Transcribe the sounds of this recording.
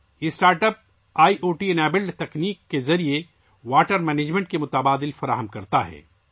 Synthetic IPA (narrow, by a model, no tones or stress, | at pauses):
ɪsʈaːɾʈəp̚ | aːiʔoːʈiɐnɛːbɪlɖt̪ɐkniːkːezɐɾie | ʋaːʈəɾmɛːneːd͡ʒmẽɳʈ̚kemʊt̪ɐbaːd̪ɪlfɐɾa̰ːɦəmkɐɾt̪aɦɛ̰ː